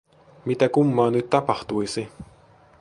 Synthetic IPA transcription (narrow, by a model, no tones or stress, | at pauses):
mit̪ækumːɑːnyt̪ːɑpɑht̪uisi